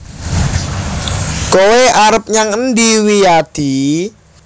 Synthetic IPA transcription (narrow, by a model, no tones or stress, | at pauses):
koweʔaɾəp̚ɲaŋənd̪iwijad̪̥i